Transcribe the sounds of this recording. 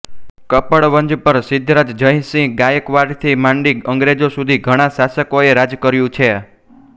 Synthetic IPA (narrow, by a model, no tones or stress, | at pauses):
kəpəɭʋənd͡ʒpəɾsɪd̪ʱːɾad͡ʒd͡ʒəj̃sĩɡajəkʋaɾɖt̪ʰimãɳɖiɡəŋɡɾed͡ʒosud̪ʱiɡʱəɽ̃asasəkoeɾad͡ʒkəɾjũt͡ʃʰe